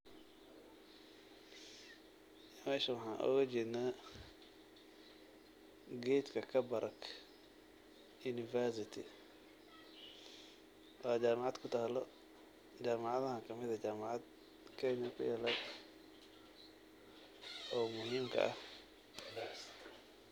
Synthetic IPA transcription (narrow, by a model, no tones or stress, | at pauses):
mɛːʃɐwɑħɑːnʔɔ̰ːɣɐt͡ʃɪna | ɡɛːt̪kʰɐkʰɐbɐɾʔɐkʰ | juːnɪfɛɾs̬ɪt̪ʰɪ | ʔɔːd͡ʒaːmɑʕɑːd̪kʰʊt̪ʰaːlɔ | d͡ʒaːmɑʕɑðɐɦɐkʰɐmɪðɐd͡ʒaːmaʕɑd̪ | kʰɛjnɐkʰʊ̰jɛlɐɡ | ɔːmʊɦiːmkʰɐ̰ʔɐ̰h